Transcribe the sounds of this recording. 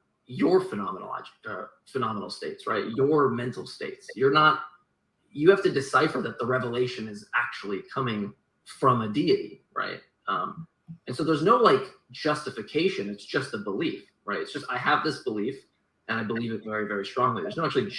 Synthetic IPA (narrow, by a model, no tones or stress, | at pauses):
jə˞fɨnɑmə̰n̰l̩ˠɑ̰d͡ʒkʌ | fɨnɑmənl̩ˠsteɪtsɹa̰ɪʔ̚jə˞mɛ̃ntʰˡl̩ˠsteɪtsjə˞nət̚ | jɨhæftɨdɨsaɪfə˞ðət̪̚ðəɹɛvəleɪʃɨ̃nɨzæk̚t͡ʃul̩ˠikʰʌmɪ̃ŋ | fɹʌ̃mɨdiɨɾḭɹa̰ɪt̚ | ʌ̃m | ɨ̃nsoʊðə˞znoʊlaɪk | d̥ʒ̥ʌstɨfɨkʰeɪʃɨ̃nɨtsd̥ʒ̥ʌst̪̚ðəbəlif | ɹaɪtɨtsd̥ʒ̥ʌstaɪəvðɪsb̥əlif | ʔɨ̃ñaɪbəlivɨtvɛɹivɛɹistɹ̥ɔ̃ŋliðə˞znoʊækt͡ʃʉl̩ˠi